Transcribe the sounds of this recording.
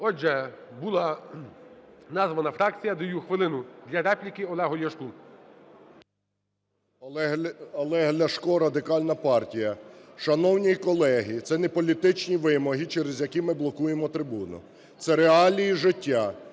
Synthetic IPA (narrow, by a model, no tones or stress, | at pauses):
ɔd͡ʒɛbulˠɑ | nɑzʋɐnɐfɾɑk̚t͡sʲijɐd̪ɔjuxʋɪlˠɪnʊd̪lʲɐɾɛplʲikɪɔlˠɛɦɔlʲjɐʃku | ɐlˠɛɦlʲɐʃkɔɾɐd̪ɪkɑlʲnɐpɑrtʲijɐʃɐnɔwnʲijkɔlˠɛɦit̪sɛnɛpɔlʲit̪ɪt͡ʃnʲiʋɪmɔɦit͡ʃɛɾezjɐkimɪblˠɔkujemɔt̪ɾɪbunʊ̰ | t̪sɛɾeɑlʲijiʒɪtʲːa